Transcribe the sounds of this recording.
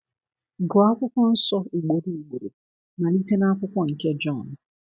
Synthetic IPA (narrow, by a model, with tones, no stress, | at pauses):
ɡɔ˨a˦kʷʊ˦kʷɔ˦n̩˦sɔ˦i˨ɡ͡bo˨di˨i˨ɡ͡bo˨ɾo˨ | na˨li˦te˦na˦a˦kʷʊ˦kʷɔ˦ŋ̩˨ke˦d͡ʒɔ˦˨n